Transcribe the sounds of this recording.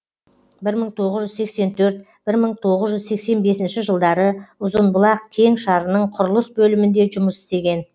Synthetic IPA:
bɪɾməɴt̪ʰo̞ʁəzʒʏzsekse̞nt̪ʰɵɾt̪̚ | b̥ɪɾməɴt̪ʰo̞ʁəzʒʏzse̞kse̞nbe̞sɪnʃɪʒəlˠd̪ɑɾəʊzənbʊlˠɑq̚kʲʰe̞ŋʃɑɾənəɴqʰʊɾʊlˠəsbɵlɪmɪnd̪e̞ʒʊməsɪ̥st̪e̞ɡʲe̞n

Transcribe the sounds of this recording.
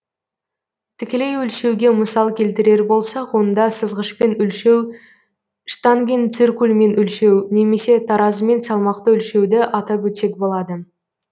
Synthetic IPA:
t̪ʰɪkʲe̞le̞jʏlʃe̞wɡʲe̞məsɑlˠkʲʰe̞lt̪ɪɾe̞ɾbo̞lˠsɑqwo̞nd̪ɑsəzʁəʃpenʏlʃe̞w | ʃt̪ɑŋɡʲent̪sirkulʲˠme̞nʏlʃe̞wne̞me̞se̞t̪ʰɑɾɑzme̞nsɑlˠmɑqt̪əʏlʃe̞wd̪ɪʔɑt̪ɑpwɵt̪se̞k̚bo̞lˠɑd̪ə

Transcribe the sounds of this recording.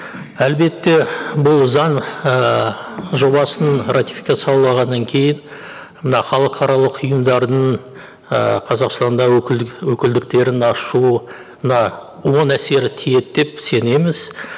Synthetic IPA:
ælbe̞t̪ːe̞bʊlˠzɑnə | ʒo̞bɑsənrat̪ʲi̥fi̥kɑt̪sɑwlˠɑʁɑnːɑŋkʲʰe̞jɪn | mənɑχɑlˠəqʰɑɾɑlˠəqʰʊjəmd̪ɑɾd̪əɴ | ə̰qʰɑzɑqst̪ɑnd̪ɑwɵkʲɪld̪ɪk̚t̪e̞ɾɪnɑʃu | mənɑ | wo̞næse̞ɾɪt̪ʰije̞t̪d̪e̞pse̞ne̞mɪz

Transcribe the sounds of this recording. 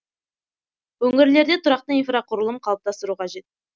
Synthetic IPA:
wɵŋʲɪɾle̞ɾd̪et̪ʰʊɾɑq̚t̪əinfraqʰʊɾəlˠəmqʰɑlˠəp̚t̪ɑst̪əɾuqʰɑʒe̞t̪̚

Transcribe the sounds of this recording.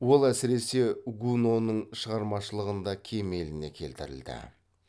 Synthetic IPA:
wo̞lˠæsɪɾe̞se̞ɡuno̞nəɴʃəʁɑɾmɑʃəlˠəʁənd̪ɑkʲʰe̞me̞lɪne̞kʲʰe̞̰lt̪ɪɾɪ̰ld̪ɪ̰

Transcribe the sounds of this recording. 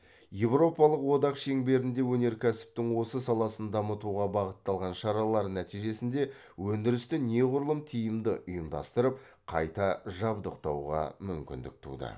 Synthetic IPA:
je̞vɾo̞pɑlˠəqwo̞d̪ɑqʃe̞ŋbe̞ɾɪnd̪e̞wɵne̞ɾkʲʰæsɪ̥p̚t̪ɪŋwo̞səsɑlˠɑsənd̪ɑmət̪uʁɑbɑʁət̪ːɑlˠʁɑnʃɑɾɑlˠɑɾənæt̪ijʒe̞sɪnd̪e̞ | wɵnd̪ɪɾɪst̪ɪne̞ʁʊɾəlˠəmt̪ʰijɪmd̪ɪʔʊjəmd̪ɑ̰st̪əɾəp̚ | qʰɑ̰jt̪ɑʒɑbd̪əqt̪ɑwʁɑ̰mʏmkʲɪ̰nd̪ɪ̰k̚t̪ʰṵd̪ə̰

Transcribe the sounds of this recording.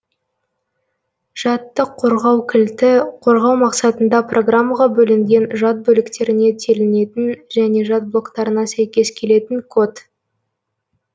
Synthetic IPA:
ʒ̥ɑt̪ːəqʰːo̞ɾʁɑwkʲʰɪlt̪ɪqʰo̞ɾʁɑwmɑqsɑt̪ənd̪ɑprʔo̞ɡramːaʁɑbɵlɪŋɡʲe̞nʒɑt̪̚bɵlɪkt̪e̞ɾɪne̞t̪ʲʰe̞lɪne̞t̪ɪnʒæne̞ʒɑt̪̚blˠo̞kt̪ɑɾənɑsæjkʲe̞skʲʰe̞le̞t̪ɪŋkʰo̞t̪

